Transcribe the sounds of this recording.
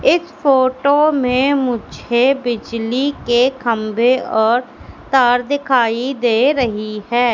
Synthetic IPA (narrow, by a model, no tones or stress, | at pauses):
ɪspʰoːʈomẽmʊd͡ʒʱebɪd͡ʒlikekʰəmbeɔːɾt̪aːɾd̪ɪkʰaːid̪eːɾəɦiɦɛː